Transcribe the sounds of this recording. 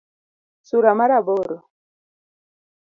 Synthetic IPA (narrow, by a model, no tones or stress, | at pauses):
suɾamaɾabɔɾɔ